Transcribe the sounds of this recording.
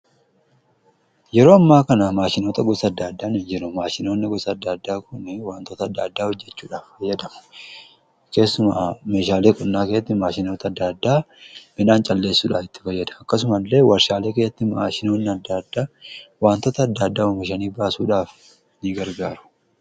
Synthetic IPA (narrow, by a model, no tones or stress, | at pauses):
jɛɾo̞ːɐmːaːkɐnɐmaːʃɪno̞ːt̪ɐɡɔsɐd̪ːaːd̪ːaːnɪnd͡ʒɪɾʊmaːʃɪno̞ːnːɪɡɔsɐːd̪ːaːd̪ːaːkʊnɪwaːnt̪oːt̪ɐːd̪ːaːd̪ːaːhɔd͡ʒːɛt͡ʃːuːᶑaːffɐjːɐd̪ɐmʊ̥ | ke̞ːsːʊma̰ːme̞ːʃaːleːkʼʊnːaːkesɐt̪ːɪmaːʃɪnoːt̪ɐd̪ːaːd̪ːaː | mɪnaːnt͡ʃʼɐlːe̞ːsːuːᶑaːfɪt̪ːɪ̥fɐjːɐd̪ɐɐkːɐs̬ʊmɐlːe̞ːwɐɾʃaːle̞ːke̞ːsːɐt̪ːɪma̰ːʃɪno̞ːnːɪɐd̪ːaːd̪ːaːwaːnt̪oːt̪ɐːd̪ːaːd̪ːaːʊmɪʃ̬ɐniːbaːsuːᶑaːf | niɡɐɾɡaːɾʊ̥